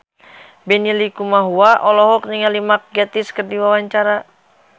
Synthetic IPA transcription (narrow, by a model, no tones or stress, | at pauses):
bɛnilikumaɦuaʔɔlɔɦɔk̚niŋalimak̚ɡat̪iskərdiwawaɲt͡ʃaɾa